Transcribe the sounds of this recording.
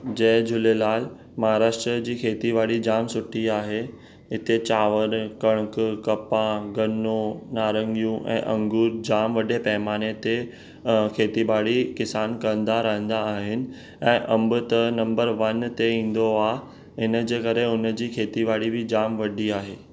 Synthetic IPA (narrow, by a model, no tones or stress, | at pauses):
d͡ʑɐːd͡ʑʊlelaːl | mɐɦaːɾaːʃʈɾəd͡ʑiːkʰeːt̪ibaːɽid͡ʑaːmsʊʈʰiaːɦe | ɦɪt̪et͡ɕaːʋəɾkɐɽ̃kkɐpãɡɐnõnaːɾə̃ŋɡijũʔɛ̰̃ːʔɐ̃ŋɡuːɾd͡ʑaːmʋɐɖepɐɦɪmaːnet̪e | kʰeːt̪ibaːɽikɪsaːnkɐə̃nd̪aɾɐɦə̃nd̪aːɦɪnɪ̆ | ɛ̃ːʔɐ̃mbʊt̪ɐnɐ̃mbəɾʋɐnt̪eĩːn̆d̪oaː | ɦɪnəd͡ʑeːkɐɾeʊnəd͡ʑiːkʰeːt̪ibaːɽibɪd͡ʑaːmʋɐɖiaːɦeː